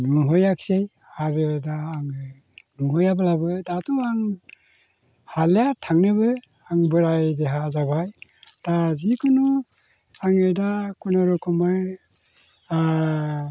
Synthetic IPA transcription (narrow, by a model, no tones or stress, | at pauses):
nuŋɦɔjaksej | haɾedaːŋɯ | nuŋhɔjabɯlabɯdatuaŋ | halejatʰaŋnɯbɯ | aŋbɯɾajdeɦazaβajtazikʰunu | aŋedakunaɾukʰɔmaj